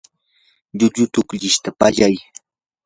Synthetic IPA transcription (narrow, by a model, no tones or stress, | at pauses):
ʎʊʎʊt̪ʊkʎɪʃt̪apaʎaj